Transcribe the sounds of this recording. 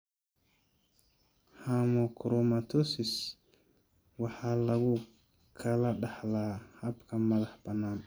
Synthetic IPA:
hamɔkɾɔmatosis | wahalaɡɔ | kʰalaɗahlahapkamːalahbanan

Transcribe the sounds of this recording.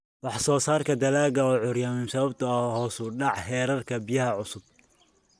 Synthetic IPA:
wɑħsɔːsaːrkʰɐd̪ɐlaːɣɐɔːʕʊɾjaːmɪnsɐβɐbt̪ʰɐɐhɔːsʊɖɑʕhɛːɾɐrkʰɐbɪjɐhɐʕʊsʊb

